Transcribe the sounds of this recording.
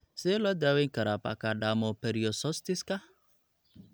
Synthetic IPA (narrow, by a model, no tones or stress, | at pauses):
selɔdaweŋ̩kaɾapa̰kadamɔpeɾiosɔstiska